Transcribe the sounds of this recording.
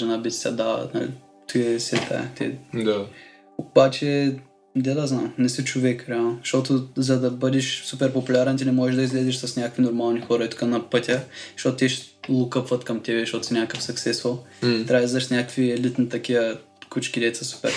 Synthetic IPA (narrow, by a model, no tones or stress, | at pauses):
ʒɛnabit̪ʲsʲa̰d̪aə̰nɐ̰lḭ | t̪ʰuɛsɛt̪a̰ɛ̰t̪ɛ̰d̪a | obat͡ʃɛ | d̪ad̪aznamnɛsɛt͡ʃovɛkɾɛalˠnoʃt̪ot̪ʊzɐd̪ɐbəd̪ɛʃsupɛɾpopulʲaɾɛnt̪̬ʲinɛmɔʒɛʒd̪ɐizlɛzɛʃsɐsnʲakəkvinoɾmalˠnixɔɾɐit̪u̥kanɐpət̪ʲəʃt̪ot̪ʊt̪ɛʃlˠukəpvɐt̪kɐmt̪ɛbɛʃtot̪ʊ̥sɛnʲakəfsɐksɛst̪vot̪ɾʲaizd̪ɐʃsnʲakəkviɛlit̪nit̪ɐkivə | kut͡ʃkid̪ɛt̪səsu̥pɛ̰ɾ